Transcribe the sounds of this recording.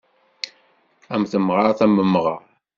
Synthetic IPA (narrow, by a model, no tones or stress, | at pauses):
æmθəmʁɑɾθæmːəmːʁɑ